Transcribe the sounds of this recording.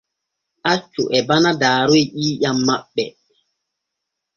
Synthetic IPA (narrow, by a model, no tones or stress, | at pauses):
ʔat͡ʃːuʔɛbanadaːɾojɗiːjamːaɓːɛ